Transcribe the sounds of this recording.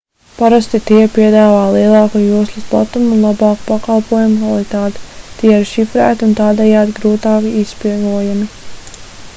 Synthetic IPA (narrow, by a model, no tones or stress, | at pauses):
paɾast̪it̪iɛpiɛd̪aːvaːlˠiɛlˠɑːkujuɔslʲˠusplˠa̰t̪umunlˠabɑːku̥pakalˠpuɔjumukvalˠit̪aːt̪i̥t̪iɛiɾʃifɾæ̰ːt̪unt̪aːd̪ɛjaːd̪iɡɾuːt̪aːkiispiɡuɔjami